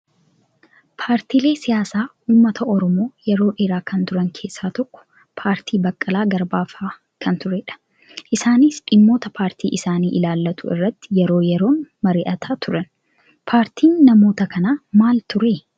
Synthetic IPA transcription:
pʰaːɾt̪iːle̞ːsɪjaːsaː | uːmːɐt̪ʰɐʔɔɾɔmo̞ːjɛɾo̞ːʔe̞ːɾaːkɐnt̪ʊɾɐŋkʰe̞ːsːaːt̪ɔkːɔ̥ | pʰaːɾt̪ʰiːbɐkʼːɐlaːɡɐɾbaːfaː | kʰɐnt̪ʊɾeːᶑɐ̥ | ʔɪsaːnɪsᶑɪmːo̞ːt̪ɐpʰaːɾt̪ʰḭːʔɪsaːniːʔɪlaːlːɐt̪ʊɪ̰rːɐt̪ːɪ̥jɛɾo̞ːjɛɾo̞ːnmɐɾiːʔɐt̪ʰaːt̪ʊɾɐn | pʰaːɾt̪ʰiːnːɐmoːt̪ɐkɐnaːmaːlt̪ʊɾeː

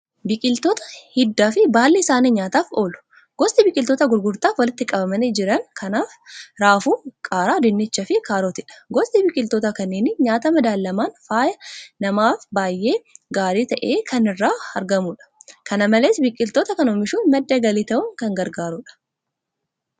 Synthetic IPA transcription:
bɪkʼɪlt̪oːt̪ɐ̥hɪd̪ːaːfɪbaːlːiːsaːniɲaːt̪aːfo̞ːlʊ̥ | ɡ̥ɔst̪ɪbɪkʼːɪlt̪ot̪ɐɡʊɾɡʊɾt̪aːfwɐlɪt̪ːɪkʼɐbɐmɐnɪd͡ʒɪɾɐŋkʰɐnaːfɾaːfuːkʼaːɾaːd̪ɪnːɪt͡ʃːɐfɪkʰʼaːɾot̪ɪᶑɐ̥ɡɔst̪ɪbɪkʼɪlt̪oːt̪ɐkɐnːeːnɪɲaːt̪ɐmɐd̪aːlːɐmaːnfaːjɐnɐmaːfbaːjːe̞ːɡaːɾiːt̪ɐʔe̞ːkʰɐnɪrːaːɐɾɡɐmuᶑɐ̥kɐnɐmɐleːsbɪkʼːɪlt̪oːt̪ɐkɐnoːmɪʃuːnmɐd̪ːɐɡɐliːt̪ɐʔʊŋkɐŋɡɐɾɡaːɾuːᶑɐ̥

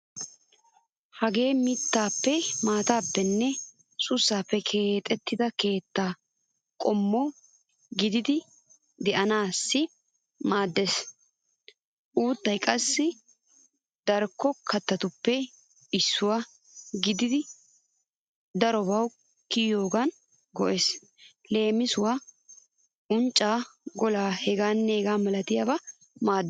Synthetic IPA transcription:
hɐɡe̞ːmɪt̪ːaːpːɛmaːt̪aːpːɛnːɛ | sʊsːaːpːɛkʰe̞ːt̪ʼɛt̪ːɪd̪ɐke̞ːt̪ːaː | kʼɔmːo | ɡɪd̪ɪd̪ɪ | d̪ɛʔɐnaːsːɪ | maːd̪ːes | ʔuːt̪ːɐjkʼɐsːɪ | d̪̥ɐɾkːɔkɐt̪ːɐt̪ʊpːɛ | ɪsːʊwa | ɡɪd̪ɪd̪ɪ | d̪ɐɾɔbɐw | kɪjo̞ːɡɐn | ɡɔʔeːs | le̞ːmɪsʊwa | ʔʊnt͡ʃʼːaːɡɔlaːhɛɡaːnːeːɡaːmɐlɐt̪ɪjabɐ | maːd̪ː

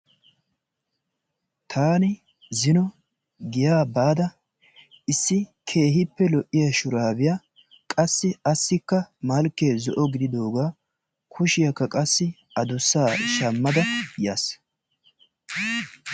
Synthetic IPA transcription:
t̪ʰaːnɪ | zɪnɔ | ɡɪjaːbaːd̪ɐ | ɪsːɪkʰe̞ːɦɪpːɛlɔʔɪjɐʃʊɾaːbɪjɐ | kʼɐsːɪɐsːɪkːɐmɐlkːeːzɔʔɔɡɪd̪ɪd̪o̞ːɡaː | kʰʊʃɪjɐkːɐkʼɐsːɪ | ɐd̪ʊsːaːʃɐmːɐd̪ɐjɐs

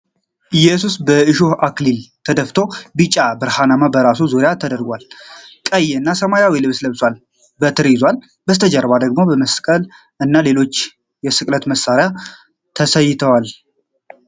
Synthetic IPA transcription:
ʔɨjːɛsusbəɨʃohʔaklilt̪ʰəd̪əft̪ʰo̞bɨt͡ʃʼabɨɾhanamabəɾasuzuɾɪjat̪ʰəd̪əɾɡʷalkʼəjːɛɨnːasəmajawilɨβsləβswal | bət̪ʰɨɾjɪzwal | bət̪ʰəd͡ʒəɾəβad̪əɡmo̞bəməskʼəl | ɨnːale̞lo̞t͡ʃː | jɛsɨkʼlət̪məsaɾɪja | t̪ʰəsəjːɪt̪ʰəwal

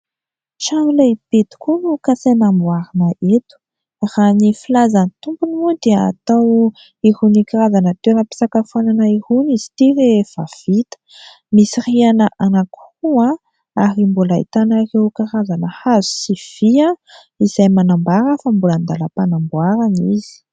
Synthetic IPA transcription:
ʈ͡ʂanlepet̪i̥kʲunukasenambwaɾinəʔet̪u̥ | ranifilazanit̪umbunimud̪eəa̰t̪aw | ihunikaɾazanət̪eɾapi̥sakafananaihuniz̥i̥t̪iɾev̥a̰v̥it̪ə̥ | misirianəʔanaku̥ua | aɾimbulaḭt̪anarewkaɾazanəhazu̥siv̥ia | iz̥ajmanambaɾəfambulənd̪aləpanambwaɾaniz̥i̥

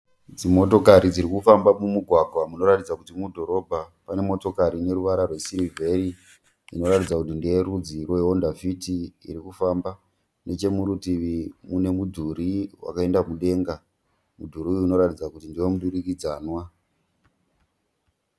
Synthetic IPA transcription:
d͡zimo̞to̞kaɾid͡ziɾikufambamumuɡʱwaɡʱwamuno̞ratid͡zakutimudʱo̞ɾo̞bʱapane̞mo̞to̞kaɾine̞ɾuʋaɾarwe̞siɾivʱe̞ɾi | ḭno̞ɾatid͡zakutindieɾud͡ziroeondafitḭːɾikufamba | ne̞t͡ʃe̞muɾutiʋimune̞mudʱuɾiwa̰kae̞ndamuɗe̞ːŋɡa | mudʱuɾiuuːno̞ɾatid͡zakutindiwo̞muɗuɾikid͡zaːnwa

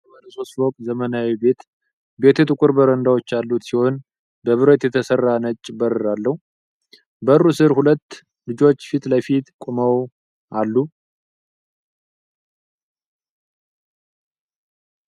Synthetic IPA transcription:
waləso̞st̪wɔk̪ʼzəmənawibe̞t̪ | be̞t̪ʰut̪ʼɨkʼuɾbəɾənd̪awo̞t͡ʃːalːut̪siho̞n | bəβɨɾət̪jɛt̪ʰəsərːanət͡ʃʼːbəɾɨɾalːəhu | bərːusɨɾhulət̪ː | lɨd͡ʒo̞t͡ʃːfit̪lajfit̪kʷʼuməw | ʔalːu

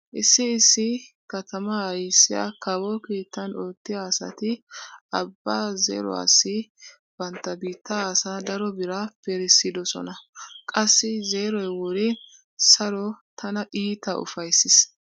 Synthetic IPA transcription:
ʔɪsːɪːsːɪ | kɐt̪ɐmɐɐjsːɪjɐ̰kɐwɔkiːt̪ːɐnoːt̪ːɪjaːsɐ̰t̪ɪɐbːaːzḛːɾɔ̰ɐ̰sːɪ | b̥ɐnt̪ːɐbiːt̪ːɐːsad̪ɐɾɔbɪɾɐpɛɾɪsːɪd̪ɔsɔ̰nɐkʼɐsːɪzeːɾɔjwɔɾɛ | sɐɾɔt̪ʰɐnɐʔiːt̪ːɐʔʊ̰fɐjsːɪs

